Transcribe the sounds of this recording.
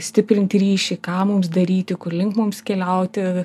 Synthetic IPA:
sʲt̪ʲɪpʲɾʲɪnt̪ʲɾʲiːʃʲɪkɑːmʊmsd̪ɐɾʲiːt̪ʲɪkʊrlʲɪŋkmʊmskʲɛlʲɛʊt̪ʲɪ

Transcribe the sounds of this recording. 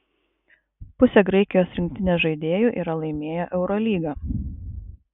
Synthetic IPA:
pʊsʲɛɡɾɐɪkʲɪjoːsɾʲɪŋʲkʲt̪ʲɪnʲɛːʒɐɪd̪ʲeːjuːʔiːɾɐlˠɐɪmʲeːjɛʔɛʊɾɔlʲiːɡɐː

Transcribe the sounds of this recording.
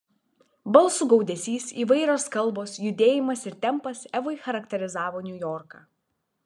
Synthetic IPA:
bɐlˠsʊɡɒʊd̪ʲɛsʲiːsiːʋɐɪɾʲoːskɐlˠˑboːsjʊd̪ʲeːjɪmɐsɪɾt̪ʲɛmˑpɐsɛʋʊɪxɐɾɐkt̪ʲɛɾʲɪzɑːʋoːnʲʊjɔːɾkɑː

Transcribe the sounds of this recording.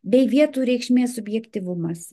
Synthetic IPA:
bʲɛɪʋʲiɛt̪uːɾʲɛɪkʃʲmʲeːsʊbʲjɛkt̪ʲiʋʊmɐs

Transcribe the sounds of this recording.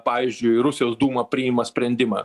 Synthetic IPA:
pɑːʋʲizʲd͡ʒʲʊɪɾʊsʲɪjoːsd̪uːmɐpʲɾʲɪɪmɐsʲpʲɾʲɛnʲd̪ʲɪmɑː

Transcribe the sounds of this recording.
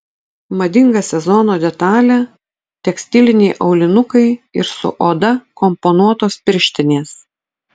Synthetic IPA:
mɐd̪ʲɪŋɡɐsʲɛzɔnoːd̪ʲɛt̪ɑːlʲæ | t̪ʲɛksʲt̪ʲɪlʲɪnʲɛɪʔɒʊlʲɪnʊkɐɪɪɾsʊ̰ʔoːd̪ɐkɔmpɔnuɔt̪oːspʲɪɾʲʃʲt̪ʲɪnʲeːs

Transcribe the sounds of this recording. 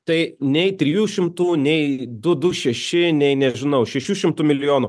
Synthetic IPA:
t̪ɐɪnʲɛɪt̪ʲɾʲɪjuːʃʲɪmt̪uːnʲɛɪd̪ʊd̪ʊʃʲɛʃʲɪnʲɛɪnʲɛʒʲɪnɐʊʃʲɛʃʲuːʃʲɪmt̪ʊːmʲɪlʲɪjoːnʊ

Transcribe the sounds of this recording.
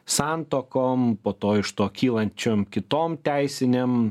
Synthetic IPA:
sɑnt̪oːkoːmpoːt̪oːɪʃt̪oːkʲiːlˠɐnʲt͡ʃʲoːmkʲɪt̪oːmt̪ʲæɪsʲɪnʲem

